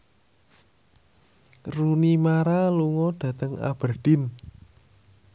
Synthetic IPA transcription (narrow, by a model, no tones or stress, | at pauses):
runimaɾaluŋɔɖ̥ä̤t̪əŋa̰b̥ə̤rɖ̥ɪn